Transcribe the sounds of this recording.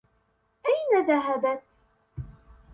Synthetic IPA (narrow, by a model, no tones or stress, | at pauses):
ʔajnaðaɦabat̪